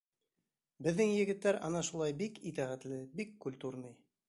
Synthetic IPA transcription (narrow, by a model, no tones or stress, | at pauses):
bɘ̆ðːɘŋjɘ̆ɡɘ̆t̪ːæɾʔɑ̰nɑʃulˠɑjbikit̪æʁæt̪lɘbikːulʲt̪uɾnɤj